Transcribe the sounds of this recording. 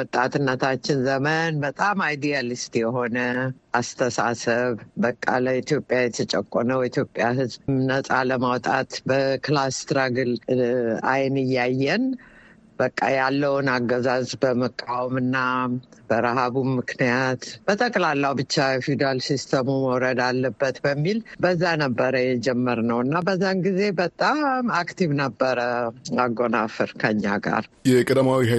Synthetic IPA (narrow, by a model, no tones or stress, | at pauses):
wɔt̪ʼːat̪ɨnːət̪ʰat͡ʃːɪnzəmənbət̪ʼamajd̪ijalist̪jɛɦo̞nəʔast̪ʰəsa̰səβbəkʼːa̰ləit̪ʰjo̞pʼːjajɛt̪ʰət͡ʃʼəkʼːonəwit̪ʰjo̞pʼːjaɦɨzbmnəsʼaləmawt̪ʼat̪bəklast̪ɾaɡɨl | a̰jnɨjːajːɛn | bəkʼːajalːəwnaɡːəzazbəməkʼːawɔmɨnːab̥əɾaɦaβumːɨknijat̪b̥ət̪ʼəkʼlalːawbɨt͡ʃːaɛfid̪ɾalsist̪ʰəmuməwɾəd̪alːəbːət̪bəmːilbəzːanəbːəɾəjɛd͡ʒɛmːəɾnəwɨnːabəzːanɡize̞bət̪ʼamakt̪ʰivnəbːəɾəaɡo̞nafɨɾkʰəɨɲːa̰ɡa̰ɾjɛkʼəd̪amawiha